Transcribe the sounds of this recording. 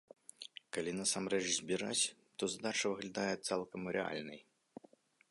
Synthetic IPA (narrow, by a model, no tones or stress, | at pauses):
kalʲinɐsamɾɛt͡ʂzʲbʲiɾa̰t͡sʲ | t̪ɔzad̪at͡ʂɐvɨɣlʲad̪ajɛt̪salˠkɐmɾɛa̰lʲnɐj